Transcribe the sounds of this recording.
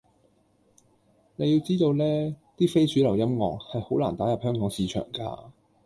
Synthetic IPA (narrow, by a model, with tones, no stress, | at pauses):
ne˨˧jiː˧wt͡siː˥t̪o˧wlɛː˥t̪iː˥fe˥jsyː˨˥lɐ˨˩wjɐ˥mŋɔː˨˩k̚hɐ˨jho˨˥wlaː˨˩nt̪aː˨˥jɐ˨p̚hœː˥ŋkɔː˨˥ŋsiː˨˧t͡ʃʰœ̰ː˨˩ŋka̰ː˧